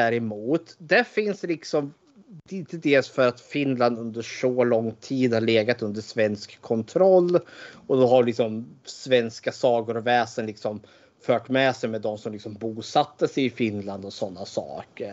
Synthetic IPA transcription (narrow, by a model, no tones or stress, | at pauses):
dæɾɛmuːt̪d̪æfɪnslɪksɔm | ɪnt̪əd̪eːlsfœɾat̪fɪnland̪ɵnd̪əʂɔlɔŋːt̪ʰiːd̪haɭeːɡat̪ɵnd̪əʂvɛnskʰːɔnt̪ʰɾɔlːɔd̪ɔɦaɾlɪksɔmsvɛnskasɑːɡʊɾɔvɛːsənlɪksɔm | fœːʈmɛsɛjmɛd̪ːɔmsɔmlɪksɔmbuːsat̪ːəsɛɪfɪnland̪ɔsɔnːasɑ̰ːkəɾ